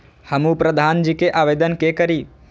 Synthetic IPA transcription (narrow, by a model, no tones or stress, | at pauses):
hɐmupɾɐd̪ʱaːnd͡ʒiːkeʔaːʋeːd̪ənkeːkəɾiː